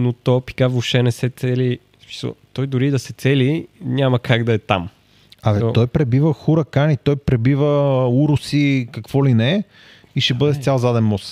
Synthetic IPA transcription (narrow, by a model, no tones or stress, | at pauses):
not̪ɔpi̥kavoʃt̪ɛnɛsɛt̪sɛli | smi̥sə̰t̪ɔjd̪ʊɾid̪ɐsɛt̪sɛliɲʲamɐkaɡd̪ɐɛt̪a̰m | ɐvɛt̪ɔjpɾɛbivəxuɾɐkanit̪ɔjpɾɛbivəuɾʊsikɐkvɔlinɛ | iʃɛbɤd̪ɛst̪ʲalˠzad̪ɛnmɔs